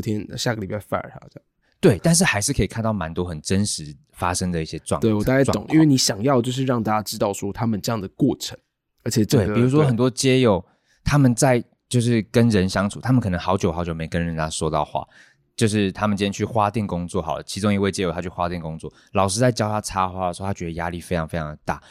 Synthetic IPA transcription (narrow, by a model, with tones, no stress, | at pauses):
t̪ʰjɛ˥nɕja˥˨ɡə˩li˨˩ba˥˧ɪfa̰˥nə̰˞˧˥˩a̰˥˩˥ | t̪we˥˩ɪt̪a˥˧nʂ̬̩˥˩xa˧˥ɪʂɻ̩˥˩kʰɤ˧˥i˨˩kʰnt̪ɑ˥˩ʊma˧˦nt̪wɔ˥xə˨˩nʈ͡ʂə˦˥nʂɻ̩˧˦ | fa˦ʂə˥ŋd̪ə˨i˥˩ɕjɛ˦˥ʈ͡ʂwɑ̰˥˨ŋwe˥˩ɪwɔ˨˩a˥˩t͡ɕa˧˥t̪ŋʔḭ˥nwɪni˧˥ɕjɑ˨˩ŋjɑ˥˧ʊt͡ɕjo˥˧ʊʂ̬ɻ̩˥˧ɻɑ˥˧ŋt̪a˥˩t͡ɕa˥ʈ͡ʂɻ̩˥t̪ɑ˥˩ʊʂwɔ˥t̪ʰa˥mə˨nʈ͡ʂɤ˥˧jɑ˥˩ŋd̪ə˩kwɔ˥˩ʈ͡ʂʰə˧˦ŋ | ə˧˥t͡ɕʰjɛ˨˩tt̪we˥˩ɪi˨˩ɻu˦ʂwɔ˥xə˨˩nt̪wɔ˥t͡ɕjɛ˥jo˨˩ʊ | t̪ʰa˥mə˨nt͡sa˥˧ɪ | t͡ɕjo˥˧ʊʂɻ̩˥˩kə˦nɻə˧˦nɕjɑ˥ŋt͡sʰu˨˩t̪ʰa˥mə˨kʰɤ˨˩nə˧˦ŋxɑ˧˥ʊt͡ɕjo˨˧ʊxɑ˧˥ʊt͡ɕjo˨˩me˧˥˨kə˦nɻə˧˦nt̪ʰa˦˥ʂwɔ˥t̪ɑ˥˧ʊxwa̰˥˩ | t͡ɕjo˥˧ʊʂɻ̩˥˩t̪ʰa˥mə˨nt͡ɕi˥˧˥t͡ɕʰy˥˩xwa˦t̪jɛ˥˩nkʊ˥ŋt͡swɔ˥˨xɑ˨˩ʊd̪t͡ɕʰi˧˥ʈ͡ʂʊ˥ŋi˧˥we˥˩ɪt͡ɕjɛ˥jo˨˩a˥t͡ɕʰy˥˩xwa˦t̪jɛ˥˩nkʊ˥ŋt͡swɔ̰˥˩ | lɑ˨˩ʊʂɻ̩˥t͡sa˥˩ɪt͡ɕjɑ˥ʊja˥ʈ͡ʂʰa˥xwa˥lə˩ʂo˧˥˧a˥t͡ɕɥɛ˧d̪ə˧ja˥li˥˩fe˥ɪʈ͡ʂʰɑ˧˥ŋfe˥ɪʈ͡ʂʰɑ˧ŋd̪ə˩t̪a̰˥˩